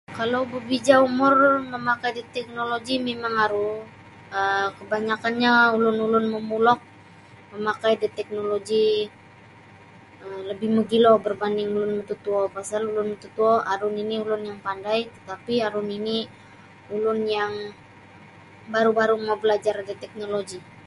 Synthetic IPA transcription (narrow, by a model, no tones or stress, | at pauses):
kalowbəbid͡ʒaumʊrməmakajdit̪ɛk̚noloɡimemaŋaɾu | əkəbaɲakanɲaulʊnulʊnməmulɔk̚ | məmakajdit̪ɛk̚noloɡi | ələbɪhməɡilobərbandɪŋulʊnmət̪ut̪uɔpasalulʊnmət̪ut̪uɔʔaɾʊniniulʊnjaŋpandajt̪ət̪apiaɾʊnini | ulʊnjaŋ | baɾubaɾumabəlad͡ʒardit̪ɛk̚noloɡi